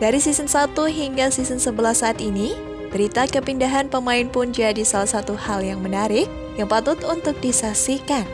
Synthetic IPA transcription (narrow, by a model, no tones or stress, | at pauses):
daɾisisənsat̪uɦiŋɡasisənsəbəlahsaʔːt̪ini | b̥əɾit̪akəpindaɦanpəmaɪnpʊnd͡ʒadisalahsat̪uhaljaŋmənaɾɪk̚ | jaŋpat̪ʊt̪unt̪ʊk̚disasikan